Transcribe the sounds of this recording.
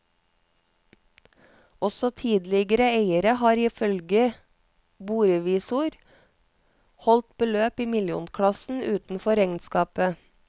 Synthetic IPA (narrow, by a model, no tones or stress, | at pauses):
ɔsɔt̪ʰiːd̪lɪɡəɾəeɪəɾəhɑːɾiːfœlɡə | buːɾəʋiːsʊɾ | hɔlt̪̚bəløːpiːmɪljṵːnkʰɽɑsn̩ʉːt̪n̩fɔɾɛŋnskɑːpə